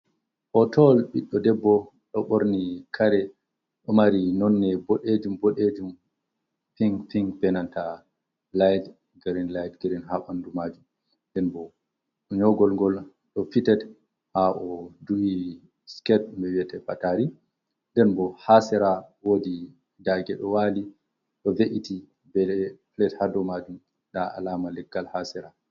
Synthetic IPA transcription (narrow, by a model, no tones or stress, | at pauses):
ʔɔtʰɔlɓiɗːɔdɛbːɔ | ɗɔɓoɾnikʰaɾɛ | ɗɔmaɾinɔnːɛboɗed͡ʒumboɗed͡ʒum | fiŋfiŋɡbɛnanta | lajd | ɡeɾinlajdɡeɾinɦaɓandumad͡ʒum | ndɛnbɔ | ɲɔɡɔlŋɡɔl | ɗɔfitɛt | haʔɔduʔi | skɛt̚mbɛwiɛtɛpataɾi | ndɛnbɔhasɛɾawodi | daɡɛɗɔwali | ɗɔveʔiti | bɛɛflɛthadɔmad͡ʒum | ɗaa̰lamalɛɡːalhasɛɾa